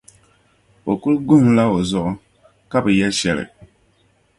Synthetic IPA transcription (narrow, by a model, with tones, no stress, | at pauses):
o˨ku˦lɡu˦ŋ˦la˦o˨zɔ˦ʔ | ka˦bɨ˨jɛ˦ʃɛ˨lɨ̰˨